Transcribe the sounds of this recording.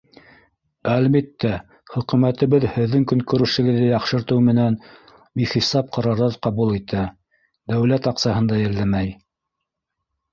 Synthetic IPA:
ælbit̪ːæ | χɵ̆kʉ̆mæt̪ɘ̆βɘðhɘ̆ðːɘŋkɵ̆ŋkɵ̆ɾɘ̆ʃɘ̆ɡɘ̆ðɘjɑqʃɤ̆ɾt̪ɤwmɘ̆næn | biχisɑp̚qɑɾɑɾðɤðqɑβulˠit̪æ | d̪æwlæt̪ɑqsɑhɤ̆nd̪ɑjɘ̆ɾlæmæj

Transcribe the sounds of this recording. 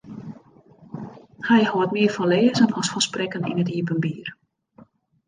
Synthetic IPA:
hɛjhoətmiəfɔnleːzənɔsfɔsprɛkənḭnətiəp̬ənbiːr

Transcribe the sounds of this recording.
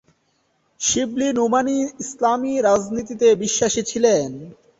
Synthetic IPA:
ʃiblinomaniislamiɾad͡ʑnit̪it̪ebiʃːaʃit͡ɕʰilen

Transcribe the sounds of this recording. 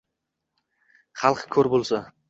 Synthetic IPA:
χɑlˠqkʲʰɵɾbolˠsa

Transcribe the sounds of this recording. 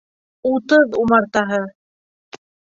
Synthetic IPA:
ut̪ɤðumɑɾt̪ɑɦɤ

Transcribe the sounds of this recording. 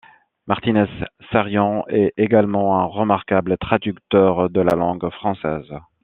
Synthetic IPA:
maʁt̪inɛsːaʁjɑ̃ɛeɡalmɑ̃ɛ̃ʁəmaʁkablət̪χad̪ykt̪œʁd̪əla̰lɑ̃ɡfχɑ̃sɛ̰ːz

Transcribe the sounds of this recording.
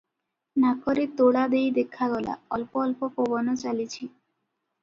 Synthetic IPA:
nakoɾet̪oɽad̪ejd̪ekʰːaɡɔla̰ɔlpoɔlpopobɔnɔt͡ɕalit͡ɕʰi

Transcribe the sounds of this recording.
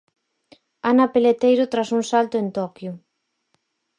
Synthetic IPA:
anapelet̪ejɾʊt̪ɾasuŋsalt̪ʊent̪ɔkjʊ

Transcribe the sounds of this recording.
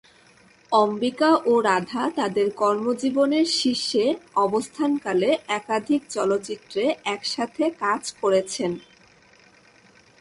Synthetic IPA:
ɔmbikaʔoɾad̪ʱat̪ad̪eɾkɔɾmod͡ʑiboneɾʃiʃːeɔbost̪ʰankaleɛkad̪ʱik̚t͡ɕɔlot̪ːt͡ɕit̪ːɾeɛkʃat̪ʰekad͡ʑkoɾet͡ɕʰen

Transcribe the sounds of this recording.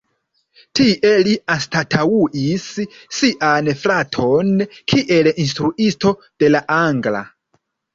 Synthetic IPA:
tiʔe̞liastatʰawuʔisː | iʔanflatʰo̞nkʰiʔe̞lins̬tɾuʔisto̞ | d̥e̞laʔaŋɡla̰

